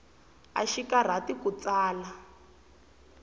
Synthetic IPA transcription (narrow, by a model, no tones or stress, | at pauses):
a̰ʃikar̤atikut͡saːla